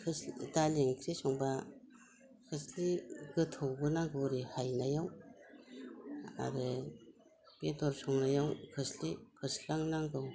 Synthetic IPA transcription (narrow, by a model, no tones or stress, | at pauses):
kʰɯsdaleŋkʰɾisɔŋba | kʰɯsliɡɯtʰowɡɯnaŋɡɯwɾihajnajaw | a̰ɾɯ | b̥edɔɾsɔŋnajawkʰɯslikʰɯslaŋnaŋɡɯw